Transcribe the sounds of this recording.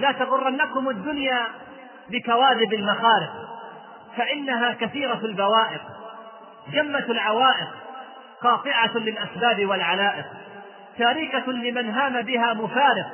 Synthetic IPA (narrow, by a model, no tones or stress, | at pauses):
laːt̪ɑɣʊrˤːʔanːakʊmad̪ːʊnjaː | bɪkawaːðɪbalmaxaːɾɪq | faʔɪnːaɦaːkaθiːɾalbawaːʔɪq | d͡ʒamːatlʕawaːʔɪq | qɑːt̪ˤɨʕalɪlʔasbaːbɪwalʕalaːʔɪq | t̪aːɾikalɪmanɦaːmabɪɦaːmʊfaːɾɪq